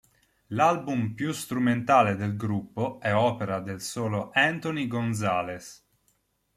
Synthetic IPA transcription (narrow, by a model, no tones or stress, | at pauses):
lalbumpjust̪ɾument̪aːled̪elɡɾupːoɛɔːpeɾad̪elsoːloʔɛnt̪oniɡonzaːles